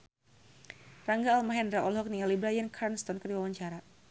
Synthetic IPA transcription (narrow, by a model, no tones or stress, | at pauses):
raŋɡaːlmaɦɛndɾaʔɔlɦɔk̚nialibɾajankʰarnst̪ɔnkərdiwawaɲt͡ʃaɾa